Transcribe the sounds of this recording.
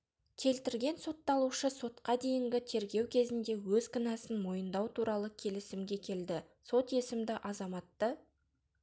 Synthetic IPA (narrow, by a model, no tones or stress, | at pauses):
kʲʰe̞lt̪ɪɾɡʲe̞nso̞t̪ːɑlˠuʃəso̞t̪qɑd̪e̞jɪŋɡʲɪt̪ʰe̞ɾɡʲe̞wkʲʰe̞zɪnd̪e̞wɵzkənɑsənmo̞jənd̪ɑwt̪ʰuɾɑlˠəkʲʰe̞lɪsɪmɡʲe̞kʲʰe̞ld̪ɪ | so̞t̪je̞sɪmd̪ɪʔɑzɑmɑt̪ːə